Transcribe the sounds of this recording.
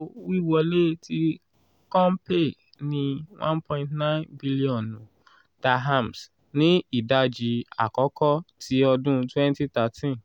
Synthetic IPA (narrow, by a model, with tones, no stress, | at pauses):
wi˦˨wɔ˨˧le˦ti˧ | kɔ̃˦m˦pe˦˨ | nĩ˧wã˦npɔ̃˧ĩ˧ntnã˦nbi˦li˦ɔ̃˨nũ˨ | ta˧ɦa˦˨ms | nĩ˨˦i˦˨da˦d͡ʒi˧a̰˨kɔ˨˦kɔ˦tʰi˦ɔ˧dũ˦twɛ̃˦n˦ti˦ta˨˧tĩ˦n